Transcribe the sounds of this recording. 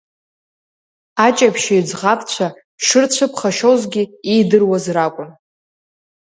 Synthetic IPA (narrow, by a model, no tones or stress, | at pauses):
at͡ʃʼapʰʃajd͡zʁapʰʼt͡ɕʷʰa | ʂɨrt͡ɕʷʰɨpʰχaʃozɡʲiijdɨrwazrakʷʼʊn